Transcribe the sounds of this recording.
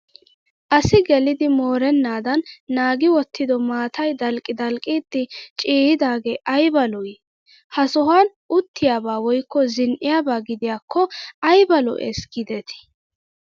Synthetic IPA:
ʔɐsɪɡɛlɪd̪ɪmoːɾɛnːaːd̪ɐnːaːɡɪwɔt̪ʰːɪd̪ɔmaːt̪ɐjd̪ɐlkʼːɪd̪ɐlkʼiːd̪ːɪt͡ʃʼiːhɪd̪aːɡeːʔɐjbɐlɔj | hɐsɔɦan | ʔʊt̪ʰːɪjaːbaːwɔjkːɔzɪnʔɪjaːbaːɡɪd̪ɪjaːkʰːɔɐjbɐlɔ̰ʔɛ̰sɡ̥ɪd̪ɛt̪ɪ̥

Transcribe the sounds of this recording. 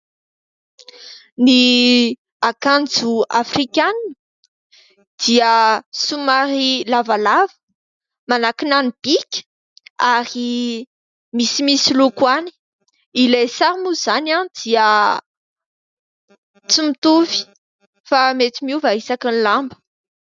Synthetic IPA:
ni | akand͡zuafrikʲann | d̪̥iəsumaɾilavalavə̥ | manakinanib̥ikʲə̥ | aɾi | misimisilukwani̥ | ilesaɾmuzanad̪̥iə | t͡simit̪uvi̥ | famet̪imiuvaisakinlambə̥

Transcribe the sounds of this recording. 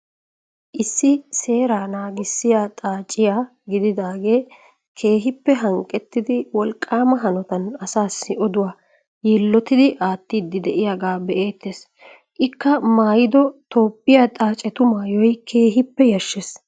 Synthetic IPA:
ʔɪsːɪse̞ːɾaːnaːɡɪsːɪjaːt̪ʼaːt͡ʃʼːɪjaː | ɡɪd̪ɪd̪aːɡe̞ː | kʰe̞ːɦɪpːɛɦɐŋkʼɛt̪ːɪd̪ɪwɔlkʼːaːmɐɦɐnɔt̪ɐnɐsaːsːɪʔɔd̪ʊwaː | jɛlːɔt̪ɪd̪ɪʔaːt̪ːiːd̪ːɪd̪ɛʔɪjaɡaːbɛʔe̞ːt̪ːeːs | ʔɪkːɐmaːjɪd̪ɔt̪o̞ːpːɪjaːt̪ʼaːt͡ʃʼɛt̪ʊmaːjɔjkʰe̞ːɦɪpːɛjɐʃːes

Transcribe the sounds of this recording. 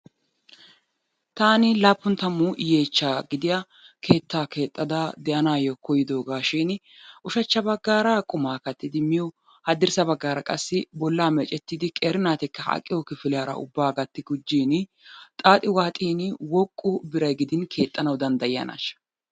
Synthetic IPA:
t̪aːnɪlaːpːʊnt̪ɐmːuːje̞ːt͡ʃːaːɡɪd̪ɪja | kʰe̞ːt̪ːaːke̞ːt̪ʼːɐd̪ad̪ɛʔɐnaːjɔkɔjɪd̪o̞ːɡaːʃiːn | ʔʊʃɐt͡ʃːɐbɐɡːaːɾakʼʊmaːkɐt̪ːɪd̪ɪmɪjɔ | hɐd̪ɪɾsɐbɐɡːaːɾɐkʼɐsːɪbɔlːaːmɛt͡ʃʼɛt̪ːiːd̪ɪkʼeːɾɪnaːt̪ɪkːɐhɐ̰kʼːɪjɔkɪfɪlɪjaːɾɐ̰ʊ̰bːaːɡɐt̪ːɪɡʊd͡ʒːiːn | t̪ʼaːt̪ʼɪwaːt̪ʼiːnwɔkʼːʊbɪɾɐjɡɪd̪ɪnkʰe̞ːt̪ʼːɐnɐwd̪ɐnd̪ɐjɪjɐ̰na̰ːʃɐ̥

